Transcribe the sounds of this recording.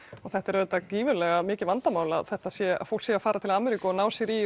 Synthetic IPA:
ɔɣθɛht̪ɛɾœːt̪ːakiːvʏlɛɣamɪːcɪvant̪amaːwlaðθɛht̪aðsjɛa̰fowl̥ksjɛafaːɾat̪ʰɪlaːmɛɾikʏɔnaːwsjɛɾi

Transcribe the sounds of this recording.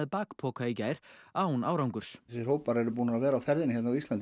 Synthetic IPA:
ðpaːkpʰɔːkʰajcaːjɾ̥aːwnaːwɾawŋkʏɾ̥ssɪɾ̥howpaɾɛɾʏpuːnaavɛːɾaːfɛɾðɪnçɛt̪nawist̪lan

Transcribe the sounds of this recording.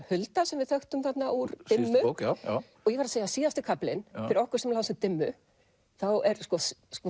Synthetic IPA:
hʏlt̪asɛmvɪðθœxt̪ʏmθat̪naʔuɾt̪ɪmmːʏ | ɔɣjɛvaɾaðseːjasiːðast̪ʏkʰaplɪnɪɾɪɾɔhkʏɾsɛmlawðsʏt̪ɪmːʏ | θawɛɾskɔsskɔ

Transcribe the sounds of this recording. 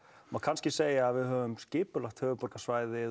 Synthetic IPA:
makʰanscɪseːjaːðvɪðɦœːvʏmscɪːpʏlaxt̪hœːvʏpɔɾkasvaːjðɪ

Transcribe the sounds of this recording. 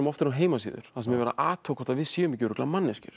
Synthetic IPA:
ʏmɔft̪ɪɾanɦeːjmas̬ḭːðʏ̰ɾ̥θaðsɛmɛvɛɾa̰ʔaːt̪ʰowkʰɔt̪avɪðsjɛːʏmicːʏɾʏklamanːɛscʏɾ̥

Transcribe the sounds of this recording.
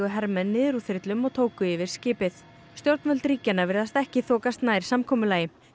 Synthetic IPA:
ʏɦɛɾmɛnːɪːðɾufɪɾt̪lʏmɔɣt̪ʰoːwkʏɪvɪɾ̥scɪːpɪθ | st̪jowɾt̪nœlt̪ɾiːcanːavɪɾðast̪ɛhcɪθɔːkast̪naːjɾ̥samkʰɔːmʏlaːjɪ

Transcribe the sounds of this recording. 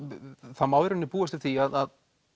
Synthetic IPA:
θaðmaːwðɾʏnːɪpuːast̪ɪvθiaðað

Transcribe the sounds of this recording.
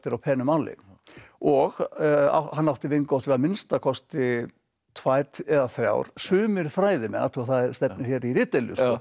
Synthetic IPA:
t̪ɪɾawpʰɛːnʏmalɪ̰ | ɔɣa̰hanːawht̪ɪvɪŋkawht̪vɪaðmɪnst̪akʰɔst̪ɪ | t̪ʰvaːjt̪ɛðaθɾja̰wɾ̥sʏːmɪɾ̥fɾaːjðɪmɛ̰na̰t̪ʰɪaθaðɛɾst̪ɛpp̚nɪɾ̥çɛɾiɾɪt̪ɛljʏ̰sɔ

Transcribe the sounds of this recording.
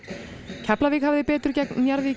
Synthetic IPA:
cʰɛplaviːkhavðɪpɛːt̪ʏɾ̥cɛknːjaɾviː

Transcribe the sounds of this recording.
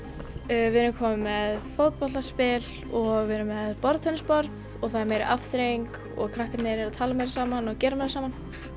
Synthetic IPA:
vɪðɾʏmkʰɔːmʏmːɛðfowt̪̚pɔlt̪aspɪl | ɔɣvɪɾʏmːɛðpɔɾðt̪ʰɛnɪspɔɾð | ɔɣθaðɛɾmeːjɾɪ̰ʔafθɾeŋk | ɔ̰ɣkʰɾahkat̪nɛɾɪɾaðt̪ʰaːlamejɾɪsaːmanɔɣcɛːɾamɛjɾɪsaːman

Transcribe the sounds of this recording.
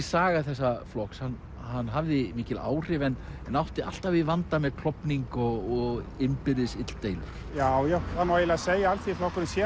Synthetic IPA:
saːɣaθɛsːaflɔkshan | hanːɦavðɪmiːcɪla̰ːwr̥ɪvɛnɛnawht̪ɪa̰l̥t̪avɪvant̪amɛðkʰl̥ɔpniŋkɔɣɔɣɪnpɪɾðɪsɪt̪l̥t̪eːjlʏ̰ɾ̥jaːwjawhanajɪlaseːjaalθiflɔhkʏɾnɪsjɛ

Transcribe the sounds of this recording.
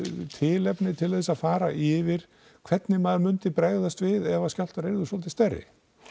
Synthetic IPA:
t̪ʰɪːlɛpnɪt̪ʰɪlθɛsaðfaːɾa̰ʔɪvɪɾ̥ | kʰvɛt̪nɪmaðmʏnt̪ɪpɾaːjɣðast̪vɪðɛvascjal̥t̪aɾejɾðʏsɔlt̪ɪst̪ɛrːɪ̰

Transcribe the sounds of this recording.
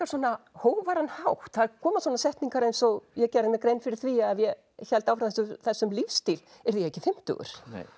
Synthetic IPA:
ḁsɔnahoːwvaɾanhawht̪θaðkʰɔːmaswɔːnasɛht̪niŋkaɾejnsɔɣjɛcɛɾðɪnakɾejnfɪɾɪɾ̥θviaðjɛ | çɛlt̪awfɾawθɛsʏθɛsːʏmlifst̪il | ɛɾðiɛhcɪfɪm̥t̪ʏ̰ɣʏ̰ɾ̥̰

